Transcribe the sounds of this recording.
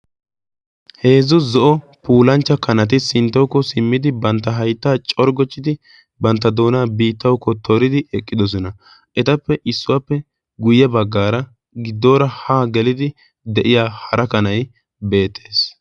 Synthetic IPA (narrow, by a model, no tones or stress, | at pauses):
he̞ːzʊzɔʔɔ | puːlɐnt͡ʃːɐkɐnɐt̪̬ɪsɪnt̪ːɔwkːɔsɪmːɪd̪ɪbɐnt̪ːɐɦɐjt̪ːaːt͡ʃʼɔɾɡɔt͡ʃːɪd̪ɪ | bɐnt̪ːɐd̪o̞ːnaːbiːt̪ːɐwkːɔt̪ʰɔɾɪd̪ɪɛkʼːɪd̪ɔs̬ɔnɐ | ʔɛt̪ɐpːɛʔɪsːʊwapːɛ | ɡʊjɛbɐɡːaːɾɐ | ɡɪd̪ːo̞ːɾɐhaːɡɛlɪd̪ɪ | d̪ɛʔɪjaːhɐɾʔɐkɐnɐj | be̞ːt̪ʰːe̞ːs